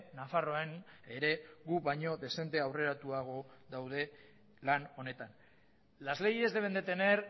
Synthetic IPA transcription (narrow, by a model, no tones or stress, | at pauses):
nafaro̞eneɾe̞ɣuβajɲo̞ðe̞se̞nt̪e̞awre̞ɾat̪uaɣ̞o̞ðawð̞e̞ | lano̞ne̞t̪an | lazle̞ɣie̞zd̪ee̞nd̪e̞t̪e̞ne̞ɾ